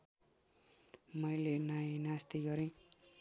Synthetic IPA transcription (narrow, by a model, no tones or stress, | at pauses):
mʌjlenajnast̪iɡʌɾĩ